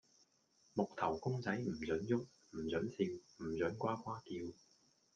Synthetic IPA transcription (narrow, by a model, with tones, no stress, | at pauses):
mʊ˨˩k̚t̪ʰɐ˨˩wkʊ˥ŋt͡sɐ˨˥jm̩˨˩t͡sɵ˨˥njʊ˥t̚ | m̩˨˩t͡sɵ˨˥nsiː˧wm̩˨˩t͡sœ˨˥nkʷaː˥kʷwaː˥t̪iː˧w